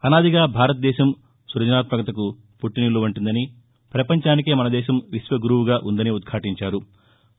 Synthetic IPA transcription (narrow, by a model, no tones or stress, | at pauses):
ɐnaːd̪iɡaːbʱaːɾɐt̪ɐd̪ɛːʃɐm | suɾɐd͡ʒɐnaːt̪mɐkɐt̪ɐku | puʈːinuloːuɳʈund̪ɐni | pɾɐpɐɲt͡ʃaːnikeːmɐnɐd̪ɛːʃɐmʋiʃʋɐɡuɾuwuɡaːʔund̪ɐniud̪̚kʰaːʈiɲt͡ʃaːɾu